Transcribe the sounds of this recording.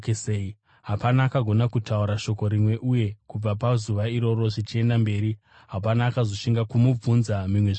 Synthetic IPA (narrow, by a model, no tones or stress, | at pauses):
kesei | ɦapanaːkaɡʱo̞nakutauɾaʃo̞ko̞ɾimwe̞ʔuje̞kub͡vapazuʋaiɾo̞ɾo̞ʐit͡ʃie̞ndambe̞ːɾi | ɦapanaːkazo̞ʃiŋɡakumub͡vunzamimweʐ